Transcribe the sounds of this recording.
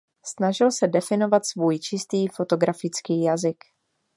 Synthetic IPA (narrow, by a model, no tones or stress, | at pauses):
snaʒɪlsɛdɛfɪno̞vat̪svuːjt͡ʃɪst̪iːfo̞t̪o̞ɡɾafɪt͡skiːjazɪk